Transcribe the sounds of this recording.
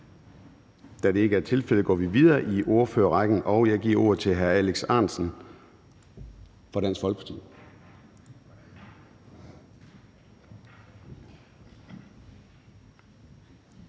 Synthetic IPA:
d̥æɾ̥e̝e̝ɡ̥əæɐt͡sʰe̝lfel̰əɡ̥ɒ̰ːʋiʋið̞ˠɐːʔiʔo̝ɐfø̰ːɐʁɑɡ̥n̩ʔɒ̽ʊjɑ̈ɪɡ̥iɐ̰o̝ːɐ̰ð̞̩ˠt͡sʰe̝lɦæɐæleɡ̥sɑ̈ːnsn̩ | fɒ̽ɾ̥æn̰sfɒ̽lɡ̥ə̥pʰɑ̈t͡sʰḭː

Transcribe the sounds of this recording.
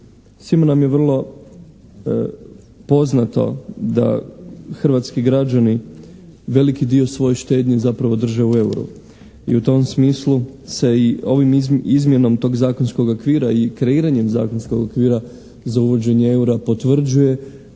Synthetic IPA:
simonamjeʋr̩lˠo̞ | po̞znat̪o̞̰d̪a̰xr̩ʋaːt̪skiɡɾad͡ʒani | ʋe̞likid̪io̞sʋo̞jeʃt̪e̞ːd̪ɲezapɾaʋo̞d̪r̩ʒeue̞uɾṵ | ḭut̪o̞msmiːslˠuse̞io̞ʋimizmje̞no̞mt̪o̞ːɡzaːkonsko̞ɡokʋiːɾaikɾe̞iːɾaɲe̞mza̰ːko̞nskoɡokʋiːɾa | zauʋo̞d͡ʑe̞ɲee̞uɾapo̞t̪ʋr̩d͡ʒuje̞

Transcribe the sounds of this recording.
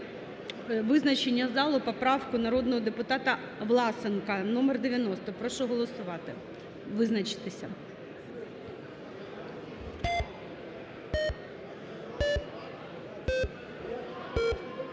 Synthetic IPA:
ʋɪznɐt͡ʃenʲːɐzɑlˠʊpɔpɾɑwkʊnɐɾɔd̪nɔɦɔd̪epʊt̪ɑt̪ɐ | ʋlˠɑsenkɐnɔmɛrd̪eʋʲjɐnɔst̪ɔpɾɔʃɔɦɔlˠɔsʊʋɑt̪ɪ̰ | ʋɪznɐt͡ʃɪ̥t̪ɪsʲɐ̰

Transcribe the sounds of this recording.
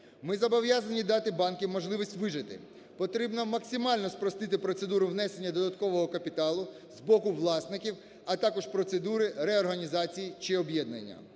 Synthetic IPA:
mɪzɐbɔʋjazɐnʲid̪ɑt̪ɪbɑnkʲɪmɔʒlˠɪʋʲisʲtʲʋɪʒɪt̪ɪ̰ | pɔt̪ɾʲibnɔmɐksʲɪmɑlʲnɔspɾɔst̪ɪt̪ɪpɾɔt̪se̞d̪uɾʊwnɛse̞nʲːɐd̪ɔd̪ɐt̪kɔʋɔɦɔkɐpʲit̪ɑlˠʊ | zbɔkʊʋlˠɑsnɪkʲiw | ɐt̪ɑkɔʃpɾɔt̪sed̪uɾɪɾɛɔrɦɐnʲizɑt͡sʲijit͡ʃɪɔbjɛd̪̚nɐ̰nʲːɐ̰

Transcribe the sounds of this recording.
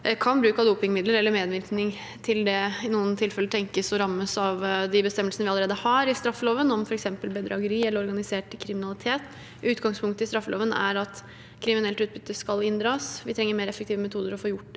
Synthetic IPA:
kʰɑnbɾʉːkɑd̪uːpɪŋmɪd̪ləɾɛlːəɾmeːd̪ʋɪɾknɪŋ | t̪ʰɪld̪ɛɪnuːənt̪ʰɪlfɛləʈ̪ʰɛŋkəsɔɾɑmːəsɑʋd̪ɪbəst̪ɛmːəlsənəʋɪɑləɾeːd̪əhɑɾɪst̪ɾɑfːəloːʋənɔmfɔɾɛksɛmpəlbəd̪ɾɑɡəɾiːɛləɾɔɾɡɑnɪseːʈkʰɾɪmɪnɑlɪt̪ʰeːt̪ | ʉːt̪ɡɑŋspʰʊŋkt̪əɪst̪ɾɑfːəlo̰ːʋənæ̰ɾɑt̪ | kʰɾɪmɪnɛlt̪ʉːt̪̚bʏt̪ːəskɑlɪnd̪ɾɑːsʋɪt̪ʰɾɛŋːəɾmeːɾɛfːəkt̪ʰiːʋəmɛt̪ʰuːd̪əɾɔfoːjʊʈː

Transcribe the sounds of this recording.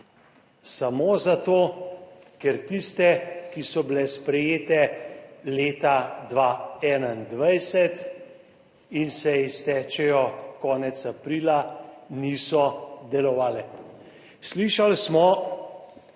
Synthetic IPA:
samoːzat̪oː | kɛɾt̪ist̪ɛkisɔbilɛspɾɛjeːt̪ɛleːt̪ad̪ʋaɛːnand̪ʋajsɛt̪ | insɛist̪ɛːt͡ʃɛjɔkɔːnɛt̪sapɾiːlaniːsɔd̪ɛlɔʋaːlɛ | sliʃalsmɔ

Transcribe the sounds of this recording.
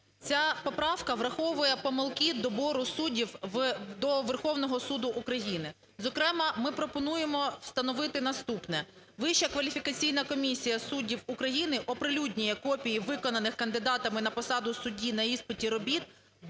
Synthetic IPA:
t͡sʲapɔpɾɑwkɐʋɾɐxɔʋʊjɛpɔmɪlˠkɪd̪ɔbɔɾʊsudʲiwd̪ɔʋerxɔwnɔɦɔsud̪ʊʔːkɾɐjinɪ | zɔkɾɛmɐmɪpɾɔpɔnujemɔwst̪ɐnɔʋɪt̪ɪnɐst̪upnɛ | ʋɪʃt͡ʃɐkʋɐlʲifʲikɐt͡sʲijn̪ɐkɔmʲisʲijɐsudʲiwukɾɐjinɪʔɔpɾɪlʲudʲnʲijɛkɔpʲijiʋɪkɔnɐnɪxkɐnd̪ɪd̪ɑt̪ɐmɪnɐpɔsɑd̪ʊsʊdʲinɐispɪtʲiɾɔbʲit̪̚

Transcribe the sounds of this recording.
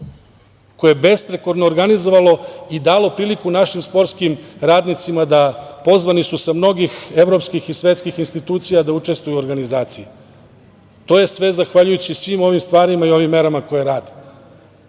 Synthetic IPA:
kojebe̞spɾeko̞ɾnoːɾɡanizo̞ʋalo̞id̪aːlo̞pɾiːlikunaʃimspo̞ɾtskimɾaːd̪nit̪simad̪apo̞zʋanisusamno̞ɡixevɾo̞pskixisʋe̞t̪skixinst̪it̪uːt̪sijad̪aut͡ʂe̞st̪vujuoɾɡanizaːt̪siji | t̪o̞ːje̞sʋe̞zaxʋaʎujut͡ɕisʋimo̞ʋimst̪ʋaːɾimaio̞ʋimːe̞ɾamakojeɾaːd̪e

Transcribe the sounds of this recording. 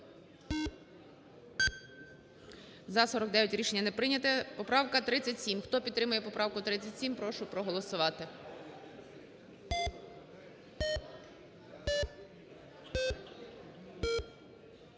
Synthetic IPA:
zɐsɔɾɔkd̪ɛjʊtʲɾʲiʃe̞nʲːɐnɛpɾɪnʲɐt̪ɛpɔpɾɑʋkɐt̪ɾɪt͡sʲːɐtʲsʲimxt̪ɔpʲid̪ɾɪmʊjɛpɔpɾʔɑwkʊt̪ɾɪt͡sʲɐtʲsʲimpɾɔʃʊpɾɔɦɔlˠɔsʊʋɑt̪ɪ

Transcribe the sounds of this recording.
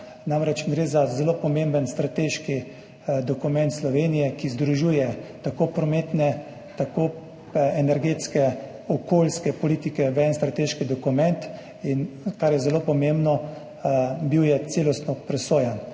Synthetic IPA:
namɾɛt͡ʃɡɾeːzazɛloːpɔmẽmbənst̪ɾat̪eːʃki | d̪ɔkumɛnt̪slɔʋeːnijɛkizd̪ɾuʒuːjɛt̪akoːpɾɔmet̪nɛ | t̪akoː | ɛnɛɾɡet̪skɛ | ɔkoːlskɛpɔliːt̪ikɛʋɛnst̪ɾat̪eːʃkid̪ɔkumɛnt̪ | inkaɾjɛzɛloːpɔmembnɔ | biwjɛt̪seːlɔst̪nɔpɾɛsoːjan

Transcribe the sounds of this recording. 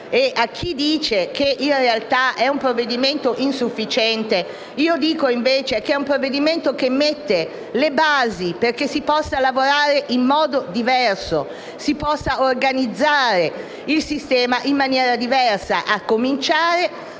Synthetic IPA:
eʔak̟ːid̪iːt͡ʃekeʔinrealt̪aʔɛumpɾovːed̪iment̪oʔinsufːit͡ʃɛnt̪e | iːod̪iːkoiɱveːt͡ʃek̟ɛumpɾovːed̪iment̪okemːet̪ːe | lebaːziperkesipɔsːalavoɾaːɾeʔimːɔːd̪od̪ivɛrso | sipɔsːaorɡanid̪zːaːɾe | ilsist̪ɛːmaʔimːanjɛːɾad̪ivɛrsaʔakːomint͡ʃaːɾe

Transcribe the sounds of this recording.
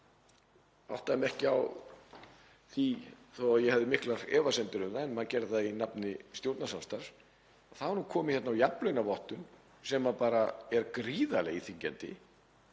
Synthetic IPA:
a̰wht̪aɛmɛhcɪaw | θiθowaðjɛhɛvðɪmɪhklaɾ̥ɛːvasɛnt̪ɪɾʏmðaɛnmaðcɛɾðɪθaðinapnɪst̪jowɾt̪nasamst̪aɾ̥s | aθavaɾnukʰɔːmɪçɛt̪nawjaplœɥnavɔht̪ʏn | sɛmapaːɾaɛɾkɾiːðalɛ̰ɣiθiɲcɛ̰nt̪ɪ̰

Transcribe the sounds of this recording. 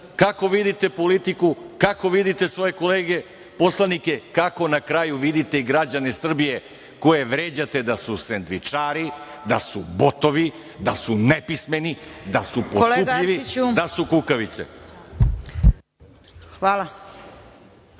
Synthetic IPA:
kako̞ʋid̪it̪e̞po̞lit̪ikukako̞ʋid̪it̪e̞sʋo̞je̞ko̞leːɡe | po̞slˠanike̞kako̞nakɾaːjuʋid̪it̪e̞iɡɾad͡ʑanesr̩bije | ko̞je̞ʋɾeːd͡ʑat̪e̞d̪asusend̪ʋit͡ʃaːɾid̪asubot̪o̞ʋi | d̪asunepisme̞nid̪asupolkuɡʎiʋiud̪asukukaʋit̪sḛ | xʋaːla

